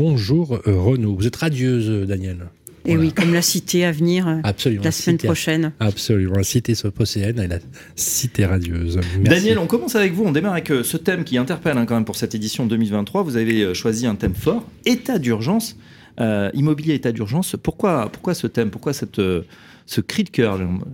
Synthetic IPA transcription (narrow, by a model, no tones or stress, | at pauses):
ɔ̃ʒuʁʁənovuzɛt̪ʁad̪jøzd̪anjɛl | ewikɔmlasit̪eavniʁøapsɔlymlasmɛnpχɔʃɛnabsɔlymɑ̃lasit̪esɔpɔseɛnɛla | sit̪eʁad̪jøzmdɛanjɛlɔ̃kɔmɑ̃savɛkvuɔ̃d̪emaʁavɛkøsət̪ɛmkʲiɛ̃t̪ɛʁpɛlɛ̃kɑ̃mɛmpuʁsɛt̪ed̪isjɔ̃d̪əmilvɛ̃t̪t̪ːχwavuzaveøʃwaziɛ̃t̪ɛmfɔʁet̪ad̪yʁʒɑ̃s | øimɔbiljeːt̪ad̪yʁʒɑ̃spuʁkwapuʁ̥kwasət̪ɛmpuʁkwasɛt̪ø | səkχid̪əkʲœʁʒ